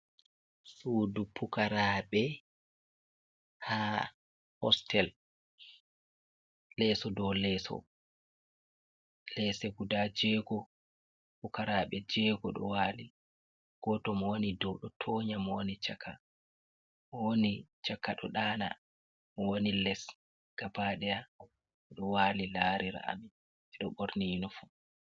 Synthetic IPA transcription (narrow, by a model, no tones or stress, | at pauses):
sudupukaɾaɓɛ | ha | hɔ̰stʰɛl | lɛsɔdɔlɛːsɔ̰ | lɛsɛɡudad͡ʒɛːɡɔ | pukaɾaːɓɛd͡ʒɛɡɔɗɔ̰waːli | ɡ̥ɔtɔmɔwonidɔɗɔtʰoːɲamɔwonit͡ʃakʰa̰ | mɔwonit͡ʃakːaɗɔɗaːna̰ | mɔwonilɛs | ɡ̥abaːɗɛja | ɗɔwaːlilaːɾiɾa̰ʔa̰mi | ɛɗɔɓoɾninɔfu